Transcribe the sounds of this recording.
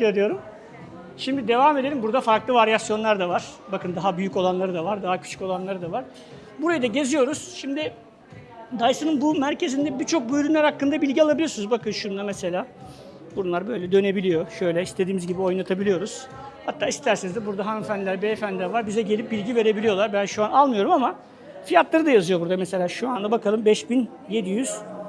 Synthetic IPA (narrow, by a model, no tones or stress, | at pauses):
ɾɯjo̞ɾum | ʃimd̪id̪e̞vaːme̞d̪e̞ɾʲimbuɾd̪afaɾklˠɯvaɾjasjo̞nlˠaɾd̪avaɾ̥bakɯnd̪aɦabyjyco̞lˠanlˠaɾɯd̪avaɾd̪aɦacʰy̥t͡ʃʰy̥co̞lˠanlˠaɾɯd̪avaɾ̥ | buɾajɯd̪aɟe̞zijo̞ɾuz̥ʃimd̪ɪ | d̪ajsɯnɯnbumæɾcʰe̞zind̪ɛbit͡ʃʰo̞k̚bøjɾynlʲæɾhakːɯnd̪abilʲɟialˠabilʲijosnuzbakʰɯnʃund̪amese̞lʲaː | buɾunlˠaɾbø̞jlʲɛd̪ø̞ne̞bilʲijo̞ʃø̞jlʲɛist̪ʰe̞d̪iːmizɟibio̞jnˠat̪ʰabilʲijo̞ɾuz̥ | hat̪ʰːaːist̪ʰæɾsɛnzd̪ɛbuɾd̪aɦanfænlʲæɾbefænd̪ʲɛvaɾbizɛɟe̞lʲip̚bilʲɟive̞ɾe̞bilʲijo̞lˠaɾbænʃuanalˠmɯjo̞ɾumama | fijat̪lˠaɾɯd̪ajazyjo̞buɾd̪amɛse̞lʲaːʃuand̪abakʰalˠɯmbɛʃbin | je̞d̪ijyz̥